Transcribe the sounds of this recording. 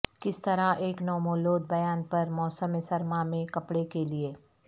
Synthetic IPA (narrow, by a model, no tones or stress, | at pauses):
kɪst̪ɐɾaʔeːknɔːmoːloːd̪̚bɐjaːnpɐɾmɔːsəmesɐɾmamẽkɐpɽekelieː